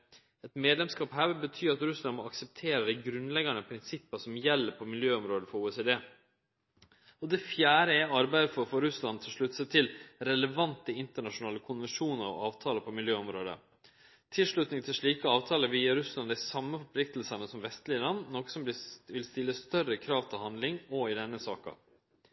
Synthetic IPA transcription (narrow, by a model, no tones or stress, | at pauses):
ɛt̪meːd̪lɛmskɑːpɦæːɾʋɪlbət̪ʰyːɾɑt̪ɾʉslɑnmɔɑksəp̚t̪ʰeːɾəd̪æɪɡɾʉnlɛɡɑnəpʰɾɪnsɪpːəsɔmjɛlːəɾpʰɔmɪljøːɔmɾoːd̪əfɔɾuːɛseːd̪eː | ɔd̪ɛfjæːɾəɛɑɾbæɪd̪əfɔɾfɔɾʉslɑnt̪ʰɪlʂɭʉt̪ːsət̪ʰɪlɾɛləʋɑnt̪əɪnt̪əɳɑʂʊnɑːləkʰʊnʋɛnʂuːnəɾɑ̰ɑːʋt̪ʰɑːləpʰɔmɪljøːɔmɾoːd̪ə̰ | t̪ʰɪlʂɭʉt̪nɪŋt̪ʰɪlʂɭiːkəɑːʋt̪ʰɑːləʋiːɑɾʉslɑnd̪æɪsɑmːəfɔɾpʰlɪkt̪əlsɑnəsɔmʋɛst̪lɪəlɑnːnɔːkə̥sɔmblɪʋɪlst̪ɪlːəst̪œrəkʰɾɑːʋt̪ʰɪlhɑnd̪lɪŋɔɪd̪ɛnːəsɑ̰ːkɑ̰